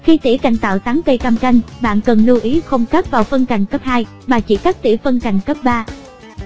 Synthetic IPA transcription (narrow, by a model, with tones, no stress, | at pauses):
xi˧t̪ḭ˧˩ka̰˧˨˩jŋ̟t̪a̰ː˧˨wt̪aː˨˦ŋkə˧jkaː˧mka˧jŋ̟ɓa̰ː˧˨nkə˨˩nlu˧ʔi˨˦xə˧wŋ͡mxaː˦˥p̚vaː˨˩wfə˧nka˨˩jŋ̟kə˦˥p̚haː˧j | maː˨˩t͡ɕḭ˧˩kaː˦˥k̚t̪ḭ˧˩fə˧nka˨˩jŋ̟kə˦˥p̚ɓaː˧